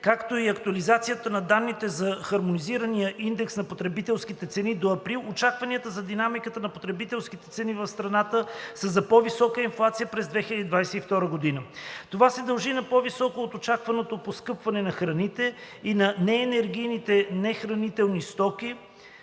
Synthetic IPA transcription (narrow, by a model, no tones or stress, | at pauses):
kakt̪oiɐkt̪uɐlizat̪sijət̪ənɐd̪anːit̪ɛzɐxɐɾmoniziɾənijəʔind̪ɛksnɐpot̪ɾɛbit̪ɛlˠskit̪ɛt̪sɛnid̪oɐpɾilˠot͡ʃakvɐniət̪əzɐd̪inamikət̪ənɐpot̪ɾɛbit̪ɛlˠsk̟it̪ɛ̥t̪sɛnivɐfst̪ɾɐnat̪əsəzɐpɔvisɔkəinflˠat̪sijəpɾɛzd̪vɛxilʲəd̪id̪vajsɛift̪ɔɾəɡod̪inət̪ovasɛd̪ɐlˠʒinɐpɔvisɔkoːt̪ot͡ʃakvɐnot̪oposkɤpvɐnɛnɐxɾɐnit̪ɛ | inɐnɛːnɛɾɡ̟ijnit̪ɛnɛxɾɐnit̪ɛlˠnist̪ɔk̟i